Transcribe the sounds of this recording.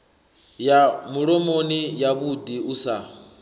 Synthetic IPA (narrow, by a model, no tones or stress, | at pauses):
jamuɺɔmonijaβudiusa